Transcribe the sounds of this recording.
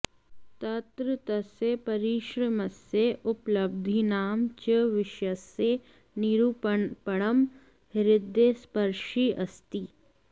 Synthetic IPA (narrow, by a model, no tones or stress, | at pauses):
t̪ɐt̪ɾət̪ɐsepɐɾiʃɾɐmɐseʔʊpləb̚d̪ʱinaːmt͡ʃəʋɪʃɐse | niɾuppɐɽ̃əm | ɦɾɪd̪ʱːespɐɾʃiʔɐst̪iː